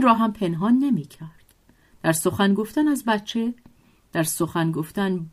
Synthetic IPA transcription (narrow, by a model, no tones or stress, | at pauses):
nrɒːɦæmpʰe̞nɦɒːnːemiːcʰæɾd̪̥ | d̪̥æɾso̞xænɡo̞ft̪ænæzbætt͡ʃʰe̞ | d̪̥æɾso̞xænɡoft̪æn